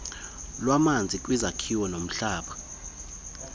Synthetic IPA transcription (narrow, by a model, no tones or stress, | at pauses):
lwamand͡zʱik̬ʼwizakʰiwɔnom̩ɬaːɓa